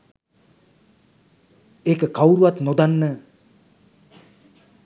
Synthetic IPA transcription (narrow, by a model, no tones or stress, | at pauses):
ekəkawɾuat̪nod̪anːə